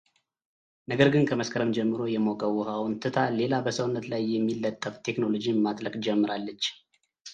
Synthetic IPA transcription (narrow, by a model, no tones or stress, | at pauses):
nəɡəɾɡɨnkʰəməskʰəɾəmd͡ʒɛmːɨɾo̞jɛmoɡʼəwhawnt̪ʰɨt̪ʰale̞labəsəwnːət̪lajːɛmːilːət̪ʼːəft̪ʰe̞kno̞lo̞d͡ʒimat̪ʼləkʼd͡ʒɛmːɨɾalːət͡ʃː